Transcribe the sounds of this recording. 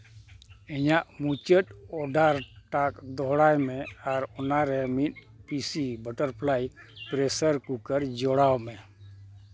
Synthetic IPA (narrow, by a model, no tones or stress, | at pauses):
ɛɲaʔmut͡ʃət̪̚ɔɖʱaɾʈakd̪ɔɦɽajmeaɾɔnaɾɛmit̪ | pisibəʈəɾpʰlajpɾesəɾkukəɾd͡ʒɔɽawme